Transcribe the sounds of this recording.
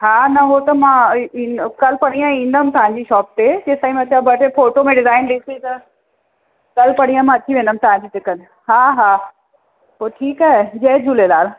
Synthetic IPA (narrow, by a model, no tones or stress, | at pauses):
ɦaːnɐɦot̪ɐmãĩkɐlpɐɽ̃ĩjãĩːn̆d̪əmt̪ɐʋ̤ãɲd͡ʑiːʃɔːp̚t̪ed͡ʑeːsaːĩmẽt̪ʰabɐʈefoːʈomẽɖɪzaːɪnɗisit̪ɐ | kɐlpɐɽ̃ĩjãmãɐt̪ʰiʋẽːnd̪əm̆t̪ɐʋ̤ãɲd͡ʑiːt̪ɪkən | ɦaːɦaː | poːʈʰiːkaɦed͡ʑɐɦd͡ʑʱuːlelaːɾ